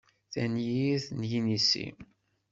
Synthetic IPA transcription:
θænjiθnjinisḭ

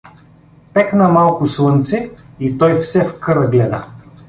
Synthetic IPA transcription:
pɛknɐmalˠkʊslˠɤnt̪sɛ | it̪ɔjfsɛfkɤɾəɡlɛd̪ə̰

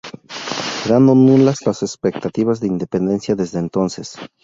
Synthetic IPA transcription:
seɾand̪onũlazlasespek̚t̪at̪iβazðeind̪epe̞nd̪e̞nsjaðe̞zðeːnt̪o̞nse̞s

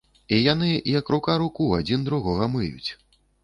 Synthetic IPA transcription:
ijan̪ɨijɐkɾukaɾukuad͡zʲind̪ɾuɣɔɣɐmɨjṵt͡sʲ

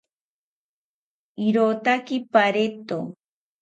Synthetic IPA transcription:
iɾot̪akipaɾet̪o

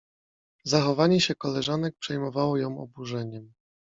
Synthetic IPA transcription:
zaxɔvaɲɛɕɛkɔlɛʐan̪ɛk̚pʂɛjmɔvawɔjɔ̃w̃ɔ̰buʐɛɲɛm

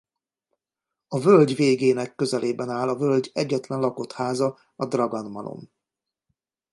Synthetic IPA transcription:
ɒvølɟveːɡeːnɛkːø̞zɛleːbɛnaːlɒvø̞lɟɛɟːɛt̪lɛnlɒko̞t̪haːzɒ | ɒd̪rɒɡɒnmɒlo̞̰m

